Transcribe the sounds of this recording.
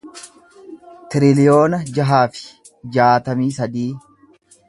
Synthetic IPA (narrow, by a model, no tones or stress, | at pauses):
t̪ɪɾɪlɪjo̞ːnɐd͡ʒɐɦaːfɪ̥ | d͡ʒaːt̪ɐmiːsɐd̪iː